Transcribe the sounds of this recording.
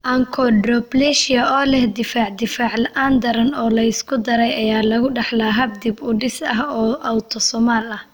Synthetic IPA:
ʔɐŋkʰɔɖrɔblɛʃɪɐɔːlɛhd̪ɪfaːʕd̪ɪfaːʕlɐʔaːnd̪ɐɾɐnɔːlɐɪskʰʊd̪ɐɾɛjɐjaːlɐɣʊɖɐħlaɦɐb̚d̪ɪbʊɖɪsɐɦɔːʔɐwt̪ʰɔsɔmaːlɐh

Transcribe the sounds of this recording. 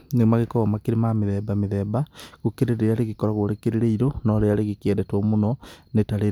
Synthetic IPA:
nemaɣekɔɣamakeɾemameðɛbameðɛbaɣokeɾeɾeeaɾeɣekɔɾaɣoɾekeɾeɾeiɾonɔɾeaɾeɣekeɛdɛtomonɔnetaɾe

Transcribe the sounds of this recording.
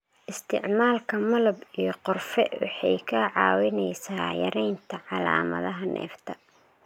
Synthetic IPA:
ʔɪst̪ʰɪʕmaːlkʰɐmɐlɐbijɞqʊrfɛ̰wɑ̰ħɑjkʰɐʕɑːwɪnɛjsaːjɐ̰ɾɛjnt̪ʰɐʕɑla̰ːmɐ̰ðɐɦɐnʔɛ̰ːft̪ʰɐ

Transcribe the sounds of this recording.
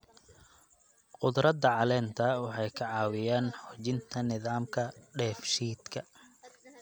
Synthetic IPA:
qʊd̪ɾɐd̪ɐʕɑlɛːnt̪ʰɐwɑħɑjkʰɐʕɑːwɪjaːnħɔt͡ʃɪnt̪ʰɐnɪðaːmkʰɐɖɛːfʃiːd̪kʰɐ

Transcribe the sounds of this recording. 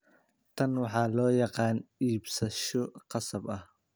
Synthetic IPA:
t̪ʰɐnwɑħɑːlɔːjɑqɑːniːbsɐʃɔqɑsɐbɐh

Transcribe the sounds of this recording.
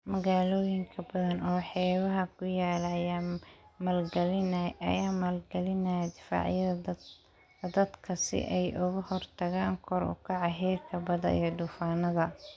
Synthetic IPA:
mɐɣaːlɔːjɪŋkʰɐbɐðɐnɔːħɛːβɐɦɐkʰʊjaːlɐjaːmɐːlɡɐlɪnɐ̰jaːmɐlɡɐlɪnɐjɐd̪ɪfa̰ːʕjɐðɐ | d̪ɐd̪kʰɐsɪ̰ʔɛjʔʊɣʊhɔrt̪ʰɐɣaːŋkʰɔɾʊ̰kʰɑʕɑɦɛːrkʰɐbɐðɐ̰ḭjɞd̪ʊːfaːnɐðɐ

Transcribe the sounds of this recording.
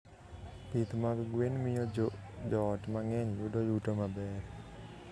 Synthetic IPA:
pit̪maɡɡwenmɪjɔd͡ʒɔtmaŋɛɲudojutomabɛr

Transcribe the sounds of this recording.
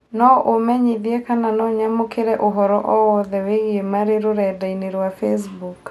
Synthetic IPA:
nɔʔomɛɲiðiɛkananɔɲamokeɾɛʔoɦɔɾɔʔɔwɔðɛweɣemaɾeɾoɾɛdaineɾwafɛs̬buk

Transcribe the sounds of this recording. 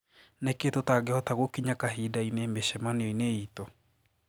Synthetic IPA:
neketotaɡehɔtaɣwokiɲakaɦidainemeɕɛmaneɔineiːtɔ

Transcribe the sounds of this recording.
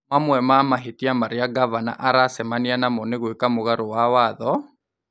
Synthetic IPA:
mamwɛmamaɦetiamaɾeaɡavana̰ʔaɾasɛmanianamɔneɣwekamoɣaɾowawaðɔ

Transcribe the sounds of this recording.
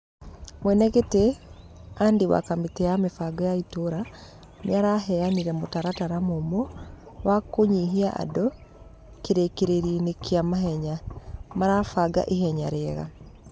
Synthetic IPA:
mwɛnɛɣete | andewa̰kametɛjamefaɡɔjaitoɾa | njaɾaɦɛjaniɾɛmotaɾataɾamomɔ | wakoɲiɦiaʔa̰dɔ | keɾekeɾeɾinekiamaɦɛɲamaɾafaɡa̰ʔiɦɛɲaɾɛːɣa̰

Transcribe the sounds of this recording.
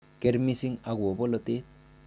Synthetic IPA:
keɾmisiŋaɡwɔbɔlɔt̪e

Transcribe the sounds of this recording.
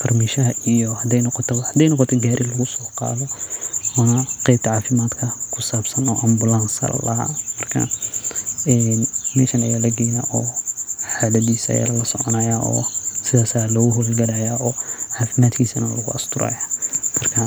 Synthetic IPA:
kʰɐrmiʃɐɦɐʔijɔhɐd̪ɛjnɔqɔt̪ʰɔhɐd̪ɛjnɔqɔt̪ʰɔɡaːɾʔɪlɐɣʊsɔːqɑ̰ːðɔɔnɐqɛjb̚t̪ʰɐʕaːfɪmaːd̪kʰɐkʰʊsaːbsɐnɔːʔɐmbʊlansɐ̰ɐ̰lɐ̰ɦa̰ːmɐrkʰɐ̰ | ɛːnmɛːʃɐnɐjaːlɐɡɛjnaʔɔːħaːlɐdiːsɐ̰ja̰lɐlɐsɔʕɔnɐjaːʔɔ̰ːsɪðaːsaːlɔːɣʊɦɔlɡɐlɐjaːɔːʕaːfɪmaːd̪kʰiːsɐnɐlɐɣʊ̰ɐst̪ʰʊɾɐ̰ːjamɐrkʰɐ

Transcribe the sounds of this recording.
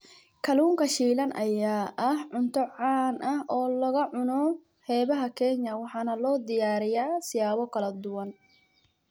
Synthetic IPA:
kʰɐluːŋkʰɐʃiːlɐnɐjaːʔɐhʕʊnt̪ʰɔʕɑːnʔɐhʔɔːlɐɣɐʕʊnɔ | hɛːβɐɦɐkʰɛɲɐwɑħɑːnɐlɔːd̪ɪjaːɾɪjaːsɪjaːβɔkʰɐlɐd̪ʊwɐn

